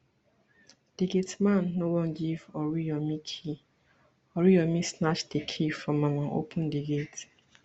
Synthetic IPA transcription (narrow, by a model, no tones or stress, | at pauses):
d̥iɡetmãnːowɔ̃nɡivɔɹijɔmikʰi | ɔɹiɔmisnat͡ʃdekʰifɹɔ̃mːamãʔo̰pʰʊ̃ndiɡet